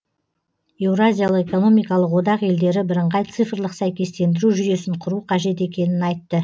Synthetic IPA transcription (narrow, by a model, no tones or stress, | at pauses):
e̞wrazʲijaləqe̞ko̞no̞mijkɑlˠəqwo̞d̪ɑqe̞ld̪e̞ɾɪbɪɾəɴʁɑjt̪sɨfrlˠəqsæjkʲe̞st̪e̞nd̪ɪɾuʒʏje̞sɪɴqʰʊɾuqʰɑʒe̞t̪̬e̞kʲe̞nɪnɑjt̪ːə